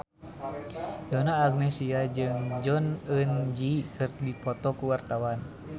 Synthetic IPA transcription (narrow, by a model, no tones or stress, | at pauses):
d͡ʒɔnaːɡnɛsiad͡ʒɨŋd͡ʒɔnənd͡ʒikʰɨrdipɔt̪ɔkuwart̪awan